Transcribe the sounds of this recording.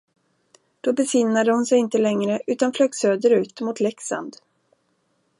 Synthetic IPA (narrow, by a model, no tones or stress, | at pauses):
d̪̥obəsɪnːad̪əhʊnsɛjɪnt̪əlɛŋɾəʔʉ̟ːt̪anfløːɡsøːd̪əɾʉ̟ːt̪mʊt̪ʰlɛksa̰nd̪